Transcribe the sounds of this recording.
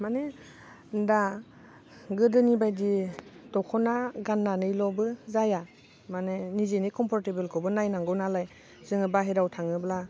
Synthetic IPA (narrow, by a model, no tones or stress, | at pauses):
mane | nda | ɡɯdɯnibajditɔkʰɔnaɡanːanɯjlɔbɯzaja | manenizenikʰɔmpʰɔɾtebelkʰɔbɯnajnaŋɡɯnalaj | z̥ɯŋɯbaɦeɾawtʰaŋɯbla